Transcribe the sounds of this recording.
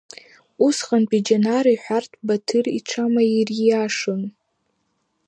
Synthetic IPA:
usχanpʼid͡ʒanaɾiħʷartʼʰbatʰɨriʈ͡ʂʷʰamairaʂɨn

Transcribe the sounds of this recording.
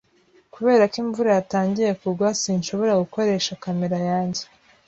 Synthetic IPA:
kuβe̞ːɾakiɱvuɾajataːɲɟije̞kuɾɡwasiɲʃo̞βo̞ɾaɡuko̞ɾe̞ʃakame̞ɾajaːɲɟe̥

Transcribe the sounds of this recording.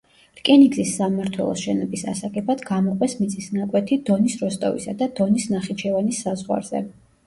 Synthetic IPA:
ɾkʼɛniɡzisːamaɾt̪ʰwɛ̰lˠɔ̰sʃɛnɔbisa̰sakʼɛbad̪ɡamɔqʼwɛsmit̪sʼisnakʼwɛt̪ʰid̪̥ɔnisɾɔst̪ʼɔ̰vḭsad̪ad̪̥ɔnisnaχit͡ʃʰɛvanisːazʁwa̰ɾz̥ɛ̰

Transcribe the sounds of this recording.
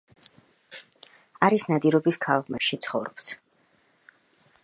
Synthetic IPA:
aɾisnad̪iɾɔbiskʰalˠʁmɛpʃit̪sʰχɔvɾɔps

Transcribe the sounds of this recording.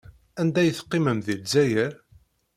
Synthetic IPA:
ænd̪æjəθə̥qːɪməmðilzæjəɾ

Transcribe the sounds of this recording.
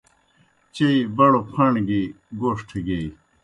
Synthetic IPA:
t͡ɕeibɐɽopʰɐɳɡi | ɡoːʂʈʰeɡei

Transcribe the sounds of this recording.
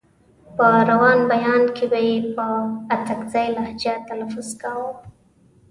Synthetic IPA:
pəɾawɑnbajɑnkebajepəat̪akzajlahd͡ʒat̪anafʊzkawə

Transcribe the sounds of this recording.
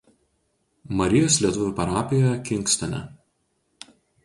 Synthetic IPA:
mɐɾʲɪjoːslʲiɛt̪ʊʋʲʊpɐɾɑːpʲɪjɛkʲɪŋˑksʲt̪ʲɛnʲɛ̰

